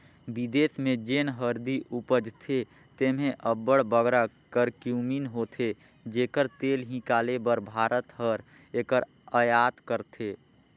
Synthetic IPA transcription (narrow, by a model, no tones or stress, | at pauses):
bid̪esmẽd͡ʒeːnɦəɾd̪iʔupəd͡ʒt̪ʰe | t̪eːmẽʔəbːəɽbəɡɾa | kəɾkjuminɦot̪ʰe | d͡ʒeːkəɾt̪eːlɦĩkaːlebəɾbʱaːɾʔət̪ɦəɾ | eːkəɾ | əjaːt̪kəɾt̪ʰe